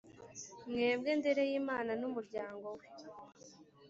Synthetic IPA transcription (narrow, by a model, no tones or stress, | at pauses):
mŋeːmɡe̞nde̞ɾe̞jiːmaːnanumuɾɟaːŋɡo̞we